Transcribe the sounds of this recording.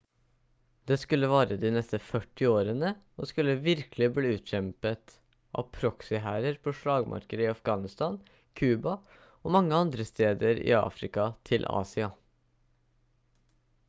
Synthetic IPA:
d̪̥eskʉlːəʋɑːɾəd̪iːnɛst̪əfœʈːɪoːɾənə | ɔskʉlːəʋɪɾkəlɪbliːʉːt̪çɛmpət̪ | ʔɑ̰ʋpʰɾɔksɪɦæːɾəɾpʰɔʂɭɑːɡmʔɑ̰ɾkəd̪əɪɑfɡɑːnɪst̪ɑn | kʰʉːbɑ | ɔmɑŋːəɑnd̪ɾəst̪eːd̪əɾɪ̰ɑ̰ːfɾɪkɑt̪ʰɪlʔɑ̰ːsɪɑ

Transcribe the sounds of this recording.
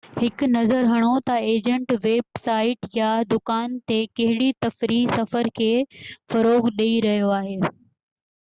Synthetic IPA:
hɪkʊnɐzəɾɦɐɽ̃ot̪ɐeːd͡ʑə̃ɳʈʋeːbsaːɪʈjad̪ʊkaːnt̪ekɐɦɪɽit̪ɐfɾiːsɐfəɾkʰeːfɐɾoːɣɗeiɾɐɦijoaːɦeː

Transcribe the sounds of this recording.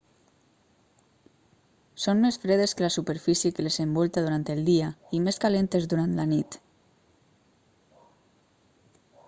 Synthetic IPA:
sonmesfɾeðeskəlasupeɾfisjekelezembɔlˠt̪aðuɾant̪elˠd̪iaimeskalent̪ezðuɾant̪lanit̪

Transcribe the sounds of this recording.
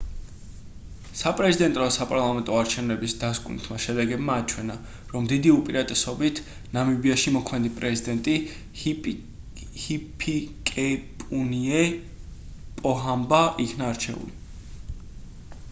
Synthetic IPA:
sapʼɾɛzid̪ɛnt̪ʼɾɔasapʼaɾlˠamɛnt̪ʼɔaɾt͡ʃʰɛvnɛbisd̪askʼunḭt̪ʰmaʃɛd̪ɛɡɛbmaːt͡ʃʰwɛna | ɾɔmd̪id̪iupʼiɾat̪ʼɛsɔbit̪ʰ | namibiaʃimɔkʰmɛnd̪ipʼɾɛzid̪ɛnt̪ʼi | hipʰikʼɛpʼuniɛ | pʼɔɦambaʔikʰnaːɾt͡ʃʰɛ̰ṵli

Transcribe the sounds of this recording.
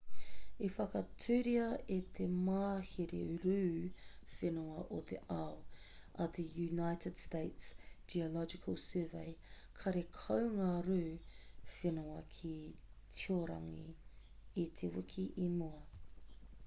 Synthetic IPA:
efɐkɐtʰʉːɾiɐet̪ʰemaːheɾḛɾʉːfenuɐʔot̪ʰḛʔɐw | ɐt̪ʰejunajtʰəd̥steɪtsd͡ʒiolɔd͡ʒɪkʰəlˠsøːvḛj | kʰɐɾekʰɐwŋaːɾʉːfenuɐkʰi | tʰioɾɐ̰ŋiː | t̪ʰewɪkʰiʔimuɐ

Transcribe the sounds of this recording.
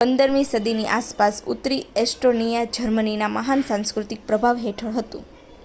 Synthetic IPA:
pənd̪əɾmisəd̪ʱiniʔaspasut̪ɾiesʈonijad͡ʒəɾməninaməɦansãŋskɾut̪ik̚pɾəbʱaʋɦeʈʰəɭɦət̪ṵ̃

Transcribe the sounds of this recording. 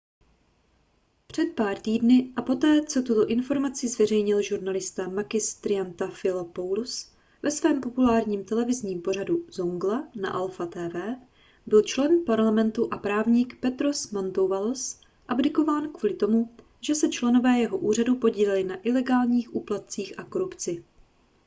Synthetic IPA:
pr̝̥ɛt̪̚paːɾt̪iːdnɪʔapo̞t̪ɛːt͡so̞t̪ut̪o̞ʔɪnfo̞ɾmat͡sɪzvɛr̝ɛjɲɪlʒuɾnalɪst̪amakɪst̪ɾɪant̪afɪlapowls | vɛsvɛːmpo̞pulaːɾɲiːmt̪ɛlɛvɪzɲiːmpo̞raduzoŋɡlana̰ʔɛlfat̪ɛːvɛː | bɪlt͡ʃlɛnpaɾlamɛnt̪uʔapɾaːvɲikpɛt̪ɾosmant̪owvalos | ʔabdɪko̞vaːnkvuːlɪt̪o̞mu | ʒɛsɛt͡ʃlɛno̞vɛːjɛɦoʔuːr̝adupo̞ɟiːlɛlɪnaʔɪlɛɡaːlɲiːxʔuːplat̪̚t͡siːxʔako̞ɾupt͡sɪ

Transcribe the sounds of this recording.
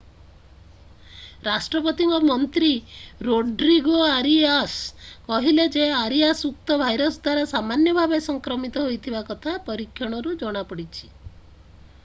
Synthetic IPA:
ɾasʈɾɔpɔt̪iŋkɔmɔnt̪ɾiɾoɖɾiɡoaɾiaskɔɦiled͡ʒeaɾiasuk̚t̪ɔbʱajɾɔsd̪waɾasamanjɔbʱabesɔŋkɾɔmit̪ɔɦojt̪ʰibakɔt̪ʰapɔɾikʰːjɔɽ̃ɔɾud͡ʒɔɽ̃apɔɽit͡ʃʰi̥

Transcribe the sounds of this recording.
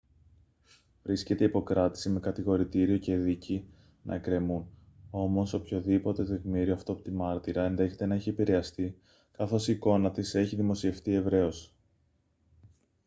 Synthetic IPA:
vɾisce̞t̪e̞ipo̞kɾɐt̪i̥sime̞kɐt̪iɣo̞ɾit̪iɾio̞ce̞ðici | nɐ̰e̞kɾe̞mun | o̞mo̞so̞pço̞ðipo̞t̪e̞t̪e̞ɣmiɾioɐft̪oɐpot̪imɐɾt̪iɾɐe̞nðe̞çe̞t̪e̞nɐeçie̞piɾe̞ɐst̪i | kɐθo̞siko̞nɐt̪ise̞çiðimo̞sie̞ft̪ie̞vɾe̞o̞s

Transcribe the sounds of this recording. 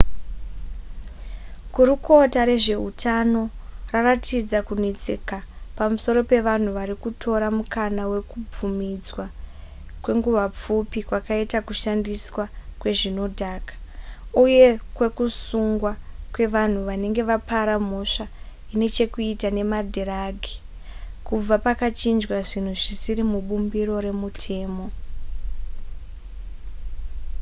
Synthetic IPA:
ɡʱuɾuko̞taɾe̞ʐe̞utʰano̞raratʰid͡zakunit͡sekapamuso̞ɾo̞pe̞ʋan̤uʋaɾikutʰo̞ɾamukʰanawe̞kub͡vumid͡zwa | kwe̞ŋɡuʋap͡fupikwakaitakuʃandiswakwe̞ʐino̞dʱaːkḁuje̞kwe̞kusuŋɡwakwe̞ʋan̤uʋane̞ŋɡe̞ʋapʰaɾam̤o̞ʂa | ine̞t͡ʃe̞kuitane̞madʱeɾaɡʱi̥ | kub͡vapakat͡ʃind͡ʒwaʐin̤uʐisiɾimuɓumbiɾo̞ɾe̞mutʰe̞ːmo̞

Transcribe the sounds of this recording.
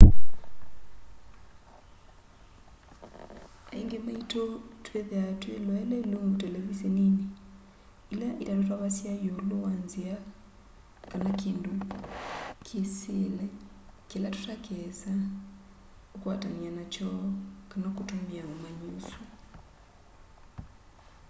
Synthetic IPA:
aiŋɡɛmaitɔtʰwɛðɛatwɛlɔɛlɛluŋutɛlɛβisɛnini | ilaʔitatɔtwaβasiajɔlowanzia | kanakindu | kʰesilɛ | kelatutakɛsa | ukwatanianat͡ʃɔkanakutomiaomaɲusu

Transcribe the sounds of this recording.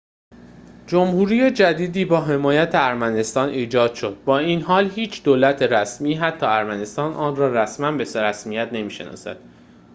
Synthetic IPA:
d͡ʒomhuːɾiːjed͡ʒæd̪iːd̪iːbɒːɦe̞mɒːjæt̪ʰeæɾmæne̞st̪ɒːnʔiːd͡ʒɒːd̪̥ʃo̞d̪̥̚bɒːiːnɦɒːlhiːt͡ʃʰd̪̥oːlæt̪ʰe̞ɾæsmiːɦæt̪ʰːɒːæɾmæne̞st̪ɒːnʔɒːnrɒːræsmænbe̞sɾæsmijæt̪ne̞miːʃe̞̰nɒ̰ːsæ̰d̪̥

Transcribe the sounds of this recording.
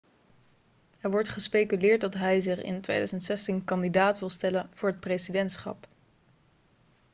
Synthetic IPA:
ɛɹʋɔɹtχəspejkylɪːɹt̚dɑtɦɛjzɪχɪ̰ntʋḛjdœzəntsɛstinkɑndidaːtʋɪlˠstɛlənv̥ʊːɹɦət̚prejszidɛntsχɑ̰p

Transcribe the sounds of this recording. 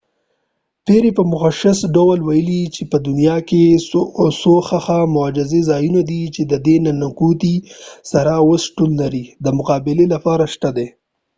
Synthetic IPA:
p̪eɾepəmʊxaʃɪsɖawalwajəlit͡ʃepəd̪ʊnijɑke | soxaxamʊad͡ʒɪzezɑjunad̪it͡ʃed̪əd̪enanakut̪isaɾaosʈulnaɾid̪əmʊqɑbɪlelapɑɾaʃt̪ad̪e

